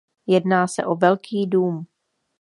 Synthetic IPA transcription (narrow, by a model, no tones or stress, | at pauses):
jɛdnaːsɛ̰ʔo̞vɛlkʰiːduːm